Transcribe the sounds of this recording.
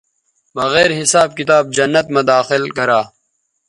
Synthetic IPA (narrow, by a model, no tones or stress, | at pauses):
bɐɣɛːɾɦɪsaːb̚kit̪aːb̚d͡ʒɐnːɐt̪mɐd̪aːxɪlkɐɾaː